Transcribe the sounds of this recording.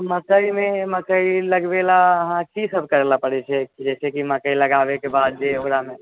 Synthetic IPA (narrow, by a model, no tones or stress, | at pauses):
mət̪əimeməkəiləɡbelaəɦãkisəbʱkəɾelapəɽɛt͡ʃʰɛd͡ʒɛːsekiməkəiləɡaʋekebaːd̪̚d͡ʒeoɾame